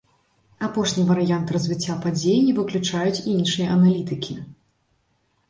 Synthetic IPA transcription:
apɔʂnʲivɐɾɨjant̪rɐzʲvʲit͡sʲːapad͡zʲejinʲivɨklʲut͡ʂajut͡sʲiinʂɨjɐʔɐnalʲit̪ɨkʲʰi

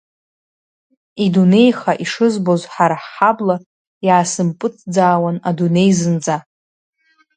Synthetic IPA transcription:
idune̞jχaʔiʂɨzbo̞zħaɾaħːabla | jaːsɨmpʼɨt͡sʰd͡zaːwanadune̞jzɨnd͡za

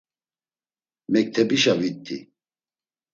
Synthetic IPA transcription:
mɛk̚t̪ʰɛbiʃavit̪ʰʼːḭ

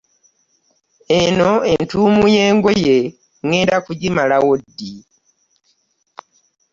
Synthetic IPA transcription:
e̞no̞entuːmuje̞ːŋɡo̞je̞ | ŋeːdakuɟimalawodːi

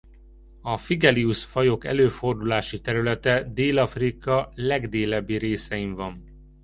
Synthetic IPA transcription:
ɒfiɡɛliuʃfɒjo̞kɛ̰løːfo̞rd̪ulaːʃit̪ɛɾylɛt̪ɛd̪eːlɒfrikɒlɛɡd̪eːlɛbːiɾeːsɛiɱvɒn

